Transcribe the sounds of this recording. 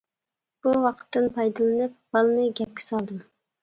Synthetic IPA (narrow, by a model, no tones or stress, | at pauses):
b̥uwɑqʰə̥t̪ʰːɨnpʰɑjd̪ɨlˠɨnɨp̚b̥ɑlˠɨnɨɡʲɛp̚kʲʰɪ̥sɑlˠd̪ɨm